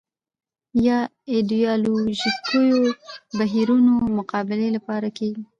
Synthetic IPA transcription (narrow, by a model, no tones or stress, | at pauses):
jɑ | ed̪ujɑluʒist̪ʰujobaɦiɾunomʊqɑbɪlelapɑɾakeɡi